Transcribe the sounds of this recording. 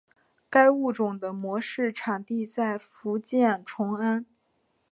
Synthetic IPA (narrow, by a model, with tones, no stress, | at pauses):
ka˥ɪu˥˩ʈ͡ʂʊ˨˩ŋd̪ə˦mwɔ˧˥ʂɻ̩˥˩ʈ͡ʂʰa˨˩ŋt̪i˥˧t͡sa˥˩ɪfu˧˥t͡ɕjɛ˥˩nʈ͡ʂʰʊ˧˥ŋa˥n